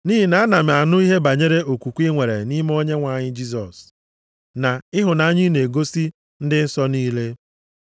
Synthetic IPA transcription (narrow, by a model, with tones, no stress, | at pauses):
ni˦ɦi˨na˨a˦na˨m˨a˨nʊ˦i˦ɦe˦ba˨ɲe˦ɾe˦ʔo˨kʷu˨kʷi˦ŋʷe˨ɾḛ˨ni˦m˦o˦ɲe˦ŋʷa˨ɲɪ˦d͡ʒi˦s̬ɔ˨s | na˨ɪ˦ɦʊ˨na˨a˦ɲɪ˦ne˨ɡo˦si˦ | n̩˦dɪ˦n̩˦sɔ˦niː˦le˦